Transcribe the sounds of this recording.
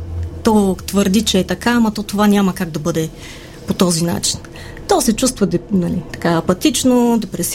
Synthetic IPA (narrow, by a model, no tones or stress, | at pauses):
t̪ɔt̪vəɾd̪it͡ʃɛːt̪ɐkamɐt̪ɔt̪ovanʲamɐkaɡ̚d̪ɐbɤd̪ɛ | pot̪ɔzina̰t͡ʃi̥n | t̪ɔsɛt͡ʃust̪vɐd̪ɛnɐlit̪ɐ̥kaɐpɐt̪it͡ʃnod̪ɛpɾɛs